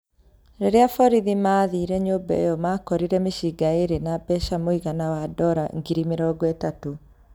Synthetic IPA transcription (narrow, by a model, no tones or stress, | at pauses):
ɾeɾeafɔɾiðimaðiɾɛɲoːbɛ̰ejɔmaːkɔɾiɾɛmeʃiɡaeɾenabɛʃamoiɣanawadɔɾaŋɡiɾimeɾɔɡɔetato